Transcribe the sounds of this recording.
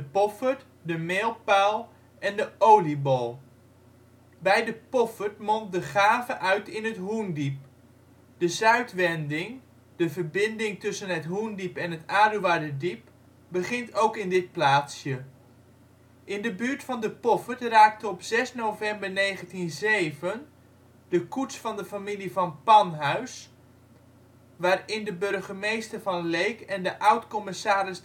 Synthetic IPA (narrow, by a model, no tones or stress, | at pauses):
dəpɔfəɹt | dəmelˠpalˠ | ʔɛndəowlibolˠ | bɛjdəpɔfəɹtmɔnt̚dəχaːvəʔœɥtɪnɦətɦundip̚ | d̥əzœɥtʋɛndɪŋ | d̥əvəɹbɪndɪŋtɵsənɦətɦundipɛnɦətaːduʋadədip̚ | bəχɪntowkɪndɪt̚plaːtsjə | ʔɪndəbyːɹtfɑndəpɔfətraːk̚təɔpz̥ɛsnovɛmbərnejχəntinzejvən | dəkutsfɑndəfamilivɑnpɑnɦœɥs | ʋaːrɪndəbɵrχəmejstərvɑnlejkɛndəʔawtkɔmɪsaːɾɪs